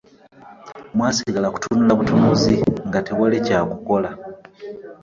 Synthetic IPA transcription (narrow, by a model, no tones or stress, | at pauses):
mwaːsiɡalaku̥tunulaβutumuziŋɡatewalicaːkuko̞la